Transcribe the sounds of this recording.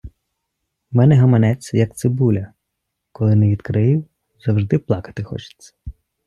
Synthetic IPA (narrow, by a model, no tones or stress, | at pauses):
mɛnɛɦɐmɐnɛt͡sʲjɐk̚t̪sɪbulʲɐ | kɔlˠɪnɛʋʲid̪kɾɪɪw | zɐwʒd̪ɪplˠɑkɐ̥t̪ɪxɔ̰t͡ʃɪ̥t͡sʲːɐ̥